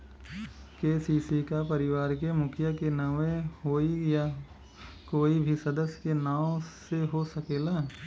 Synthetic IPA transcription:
keːsiːsikapɐɾɪʋaːɾk̬emʊkʰjakenɐʋẽɦoːija | koːibʱisɐd̪əsjkenaːwseɦosɐkeːlaː

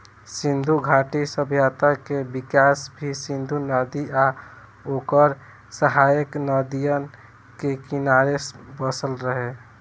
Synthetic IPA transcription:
sĩnd̪ʱuɡʱaʈisəbʱjat̪əkebikasbʱisĩnd̪ʱunəd̪ia | oːkəɾ | səɦajəknəd̪ijən | kekinaɾesbəsəlɾəɦe

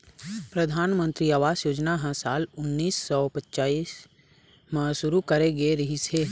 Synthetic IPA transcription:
pɾəd̪ʱaːnmə̃nt̪ɾiaːʋaːsjoːd͡ʒnaɦɛ̃saːlʊnːiːsːɔpətːt͡ʃaːis | mə̃sʊɾukəɾeɡeɾəɦise

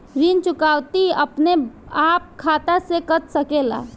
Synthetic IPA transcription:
ɾint͡ʃʊkaːwt̪iə̰pneaːp̚kʰaːt̪asekət̪səkela̰

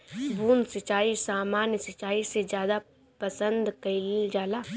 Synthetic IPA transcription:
buːnsɪt͡ʃaːisaːmaːnjsɪt͡ʃaːised͡ʒjaːd̪a | pəsə̃nd̪kɐild͡ʒaːlaː

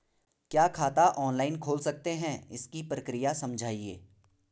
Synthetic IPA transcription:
kjaːkʰaːt̪aʔɔːnlaːɪnkʰoːlsɐk̚t̪eɦɛ̃ɪskipɾɐkɾɪjasɐ̃md͡ʒʱaːiḛː

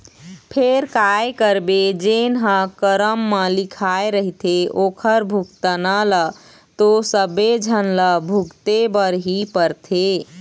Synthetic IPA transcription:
pʰeɾkajkəɾbed͡ʒenɦə̃kəɾəmːəlikʰaeɾəɦit̪ʰeokʰəɾbʱukt̪ənələ | t̪osəbed͡ʒʱənləbʱukt̪ebəɾɦipəɾt̪ʰe

